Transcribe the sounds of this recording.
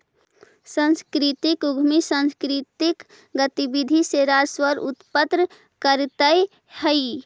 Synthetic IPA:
sə̃nskɾit̪ikuɡʱmisə̃nskɾit̪ik | ɡət̪ibid̪ʱiseɾaswəɾut̪pət̪ɾə | kəɾt̪ə | həj

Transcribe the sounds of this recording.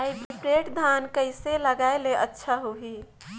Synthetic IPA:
aippɾeʈd̪ʱankəɪseləɡaeleʔətːʃʰaɦuɦi

